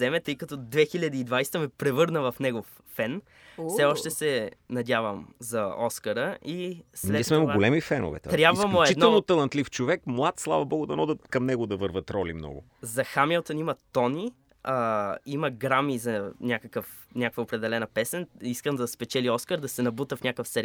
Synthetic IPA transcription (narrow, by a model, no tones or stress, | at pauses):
zɛmɛt̪ɤjkɐt̪ɔd̪vɛxilʲɐd̪iːd̪vajst̪əmɛpɾɛvɤɾnəvɐfnɛɡofːɛn | fsɛɔʃt̪ɛsɛnɐdʲjavəmzɐɔskəɾəʔislɛtiɛsmɛmovaɡolɛmifɛno̰vɛ̰t̪ɾʲjabsvəmloɛt͡ʃid̪ɛlˠnot̪ɐlˠɐnt̪lift͡ʃovɛkmlˠat̪slˠavɐbɔɡʊd̪ɐnɔd̪əkɐmnɛɡod̪ɐvɤɾvət̪ɾɔlḭmnɔ̰ɡʊ̰ | zɐxamilˠt̪ənimɐt̪ɔni | imɐɡɾamizɐnʲakəkəf | nʲakəkvəopɾɛd̪ɛlɛnɐpɛsɛniskəmd̪ɐspɛt͡ʃɛliɔskəɾd̪ɐsɛnɐbut̪əfnʲakəfsɛɾʲ